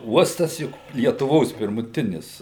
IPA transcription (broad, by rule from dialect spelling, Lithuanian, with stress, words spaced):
ˈuɔstɐs ˈjʊk lʲiɛtʊˈʋoːs pʲɪrmʊˈtʲɪnʲɪs